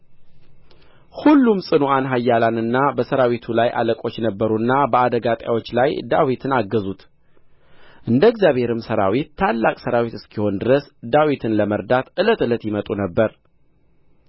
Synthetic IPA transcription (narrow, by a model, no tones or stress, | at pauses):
hulːumsʼɨnoanɦajːalanɨnːabəsəɾawit̪ʰulajʔa̰ləkʼo̞t͡ʃːnəbːəɾuɨnːabəad̪əɡat̪ʼja̰wo̞t͡ʃːlajd̪awit̪ʰɨnaɡːəzut̪ | ʔɨnd̪əɡzjaβhe̞ɾɨmsəɾa̰wit̪ʰːalːakʼsəɾawit̪ɨskʰiho̞nd̪ɨɾəsd̪awit̪ʰɨnləməɾd̪at̪ʔɨlət̪ɨlət̪jɪmət̪ʼunəbːəɾ